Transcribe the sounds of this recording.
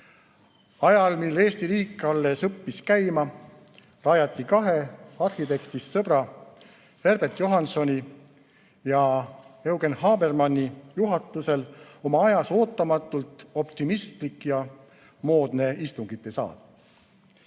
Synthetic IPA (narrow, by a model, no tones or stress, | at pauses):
ɑjɑlmilːe̞ːst̪iɾiːkːˑɑlːesɤpːiskæjmɑ | rɑjɑt̪ːˑikɑɦe̞ɑrhit̪e̞kt̪issɤb̥ɾɑ | he̞rb̥ert̪jo̞ɦɑnso̞nʲi | jɑe̞wɡe̞nhɑːbe̞rmɑnʲːijuɦɑt̪ːˑuse̞lo̞mɑɑjɑso̞ːt̪ːˑɑmɑt̪ːˑult̪ˑo̞pt̪imist̪likːˑjɑ | mo̞ːd̪̥ne̞ist̪uŋɡ̥it̪ːˑe̞sɑ̰ːd̪̥